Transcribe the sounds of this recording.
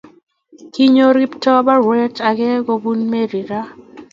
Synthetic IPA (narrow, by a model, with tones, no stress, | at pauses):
ki˦ɲo˦ɾi˦ptɔ˦ba˦ɾwɛ˦ta˨ɡɛ˦ɡo˦bu˦nme˦ɾi˨ɾa˦